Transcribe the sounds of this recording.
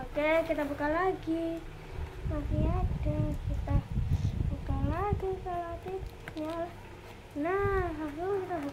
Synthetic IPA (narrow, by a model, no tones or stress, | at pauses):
okekit̪abukalaɡi | nasiadakit̪abukalaɡikalat̪i | mal | naɦakukit̪abu